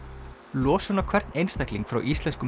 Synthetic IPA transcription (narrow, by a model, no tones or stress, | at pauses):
lɔːsʏnakʰvɛɾ̥t̪nejnst̪ɛjkliŋkfɾa̰wʔist̪lɛnskʏm